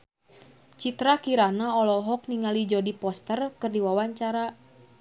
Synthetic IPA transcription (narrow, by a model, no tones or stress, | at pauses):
t͡ʃit̪ɾakiɾanaɔlɔɦɔk̚niŋalid͡ʒɔdipɔst̪ərkɨrdiwawaɲt͡ʃaɾa